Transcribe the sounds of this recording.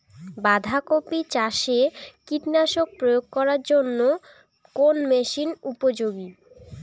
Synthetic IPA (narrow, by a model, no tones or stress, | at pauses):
bad̪ʱakopit͡ɕaʃekiʈnaʃok̚pɾojoɡ̚kɔɾaɾd͡ʑonːo | konmeʃinupod͡ʑoɡi